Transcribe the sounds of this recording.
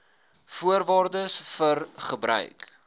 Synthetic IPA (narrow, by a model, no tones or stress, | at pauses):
fuərvɑːrdəsfərχəbɾœ̰ɥk